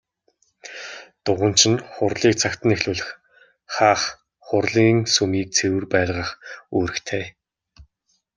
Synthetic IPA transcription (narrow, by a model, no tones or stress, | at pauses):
t̪ʊʁə̆n̥t͡ɕʰɪ̆nχʊrɮiːk̚t͡sʰakt̪ə̆nexɮuːɮɘ̆x | χaːχ | χʊrɮiːŋsumiːk̚t͡sʰewɘ̆rpæːɮʁə̆χuːɾɘ̆xt̪ʰeː